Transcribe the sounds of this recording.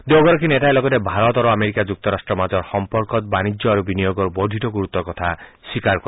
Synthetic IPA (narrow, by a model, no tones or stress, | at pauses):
d̪oɡɔɾɔkʰineʈaelɔɡɔt̪ebʱaɾɔt̪ɔɾoameɾikad͡ʒuk̚t̪ɔɾasʈɾɔmad͡ʒɔɾxɔmpɔɾkɔt̪̚banid͡ʒjɔaɾubinijoɡɔɾbɔɖʱiʈɔɡuɾut̪ɔkɔt̪ʰaswikaɾkɔ